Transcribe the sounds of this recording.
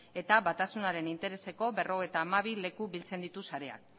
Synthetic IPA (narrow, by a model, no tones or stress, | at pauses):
e̞t̪aβat̪asunaɾe̞nint̪e̞ɾe̞se̞ko̞βe̞ro̞ɣ̞ojt̪aːmaβ̞ile̞kuβilt͡se̞nd̪it̪usaɾe̞a̰k